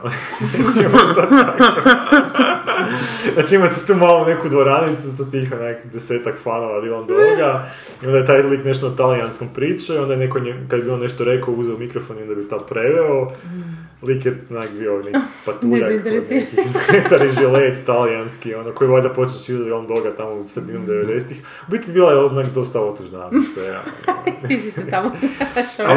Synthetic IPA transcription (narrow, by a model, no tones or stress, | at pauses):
esmt̪aka | nat͡ʃiimasit̪uːmalone̞kud̪ʋoɾanit̪sus̬at̪iːxonakd̪ese̞ːt̪akfanoʋad̪ilˠond̪oeɡa | io̞nd̪ajet̪ajlˠikne̞ʃt̪ot̪alianskopɾiːt͡ʃeio̞nd̪ajenekoɲekad̪jebio̞nːeʃt̪oɾe̞kauzeomikɾofonio̞nd̪abit̪apɾeʋeo | likjenakbionekipat̪uʎaknkit̪aɾiʒilet̪t̪alianskio̞nokojiʋajd̪apo̞t͡ʃesizd̪ilˠond̪oɡat̪amosd̪inumd̪eʋed̪eset̪ix | ubit̪ibilˠajeonakd̪o̞st̪aot̪uʒnasʋeɡa̰ | amoʃa